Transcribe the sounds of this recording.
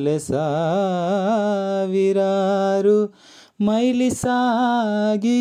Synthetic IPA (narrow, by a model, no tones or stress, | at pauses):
lesa | ʋiɾaɾu | mɐjlisa | ɡi